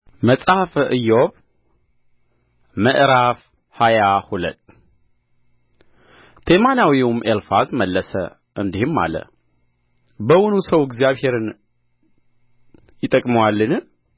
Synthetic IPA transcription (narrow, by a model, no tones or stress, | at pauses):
məsʼahfʔɨjːoβ | məʔɾaf | hajahulə̰t̪ː | t̪ʰemanawiumʔelfazməlːəsə̰ | ʔɨnd̪ihɨmːa̰lə̰ | bəwʊnusəwɛɡzijaβhe̞ɾɨn | jɪt̪ʼːəkʼməwalːɨn